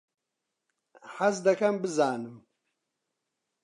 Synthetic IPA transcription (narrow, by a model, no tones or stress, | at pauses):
ħazd̪ɐkʰɐmbɨzaːnɨm